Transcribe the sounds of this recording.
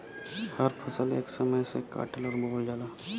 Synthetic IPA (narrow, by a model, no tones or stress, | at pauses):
həɾpʰəsəlḛːksəməjseka̰ːʈəlɔːɾboːld͡ʒaːlaː